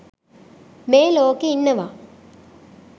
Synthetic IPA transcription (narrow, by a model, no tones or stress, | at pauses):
meːloːkeinːɐʋa